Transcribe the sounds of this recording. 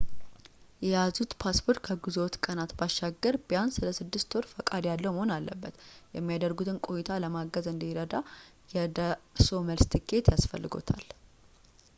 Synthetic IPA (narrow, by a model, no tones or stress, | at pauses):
jɛjazut̪pʰaspʰo̞ɾt̪kʰəɡuzot̪kʼənat̪baʃːaɡəɾbəjansɨləsɨd̪ːɨst̪ʰoɾfəkʼad̪jalːəwməhonalːə̰bːət̪jɛmːijad̪əɾɡut̪ʰɨnkʼo̞jit̪ʰaləmaɡəzɨnd̪iɾəd̪a | jɛd̪aso̞məlst̪ʰɨkʰːe̞t̪jasfə̰lːɨɡo̞̰t̪ʰa̰l